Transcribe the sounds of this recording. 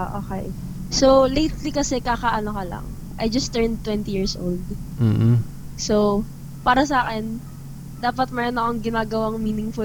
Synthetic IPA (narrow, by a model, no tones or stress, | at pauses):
oʔoːkɛj | solejt̪likɐsɛkaːkɐʔɐnokɐlɐ̰ŋ | ʔɐ̰jd͡ʒɐst̪ːɛɹnt̪ːwɛnt̪ijiːɹsʔo̰wld̪̩ | sow | paːɾɐsɐaːkɛn | d̪aːpɐt̪̚mɛɾanɐkoŋɡɪnaːɡɐwaŋmiːnɪŋfʊ